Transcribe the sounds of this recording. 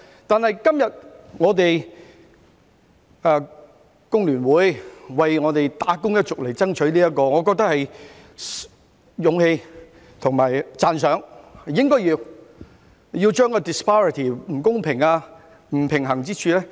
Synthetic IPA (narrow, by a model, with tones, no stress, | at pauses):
t̪aː˨nhɐ˨jkɐ˥mjɐ˨t̚ŋɔː˨˧˥t̪e˨j | aː˨˧ | kʊ˥ŋlyː˨˩nwuː˨˥jwɐ˨jŋɔː˨˧t̪e˨jt̪aː˨˥kʊ˥ŋjɐ˥t̚t͡sʊ˨k̚le˨jt͡sɐ˥ŋt͡ʃʰɵ˨˥ɥliː˥jɐ˥t̚kɔː˧ŋɔː˨˧k̬ɔː˧k̚t̪ɐ˥k̚hɐ˨j | jʊ˨˧ŋhe˧j | t̪ʰʊ˨ŋmaː˨˩jt͡saː˨˧nsœː˨˥ŋ˨jɪ˥ŋkɔː˥jiː˧w | jiː˧wt͡ʃœː˥ŋkɔː˧t̪ɪ˨spaː˥ɹɪ˨t̪ʰiː˨˩m̩˨˩kʊ˥ŋpʰɪ˨˩ŋaː˧ | m̩˨˩pʰɪ˨˩ŋɦɐ˨˩ŋt͡siː˥t͡ʃʰyː˧lɛː˥